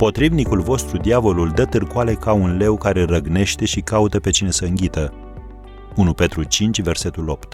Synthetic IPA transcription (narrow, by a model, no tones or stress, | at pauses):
po̞t̪ɾivnikulvo̞st̪ɾud̪iavo̞luld̪ət̪ɨrkoale̞kaunle̞wkaɾe̞rəɡne̞ʃt̪e̞ʃikaut̪əpe̞t͡ʃine̞səɨŋɡʲit̪ə | unupe̞t̪ɾut͡ʃint͡ʃʲve̞rse̞t̪ulo̞pt̪